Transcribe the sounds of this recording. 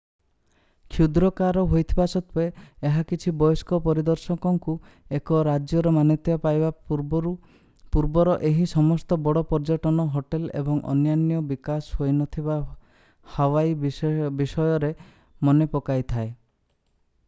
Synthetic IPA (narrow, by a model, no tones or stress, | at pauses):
kʰjud̪ɾɔkaɾɔɦojt̪ʰibasɔt̪ʰeeɦakit͡ʃʰibɔjɔskɔpɔɾid̪ɔɾsɔkɔŋku | ekɔɾad͡ʒjɔɾɔmanɔt̪ʰibapajba | puɾbɔɾɔʔeɦisɔmɔst̪ɔbɔɽɔpɔɾd͡ʒaʈɔnɔɦoʈelḛbɔŋʔɔ̰njanjɔbikashojnɔt̪ʰiba | hɔwajbisɔjɔɾe | mɔnepɔkajt̪ʰae